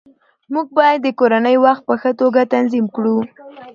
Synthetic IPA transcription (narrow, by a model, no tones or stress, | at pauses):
muɡ̚bɑjad̪ːəkoɾanəjwaxt̪̚pəxət̪oɡat̪anzimkɽu